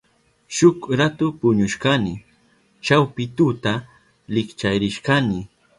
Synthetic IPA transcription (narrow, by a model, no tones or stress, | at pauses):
ʃʊkɾat̪ʊpʊɲʊʃkanɪ | t͡ʃawpɪt̪ʊt̪a | lɪkt͡ʃajɾɪʃkanɪ